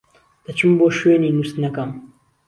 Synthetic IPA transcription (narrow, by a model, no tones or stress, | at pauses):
d̪̥ɐt͡ʃɨmboːʃweniːnust̪nɐkɐm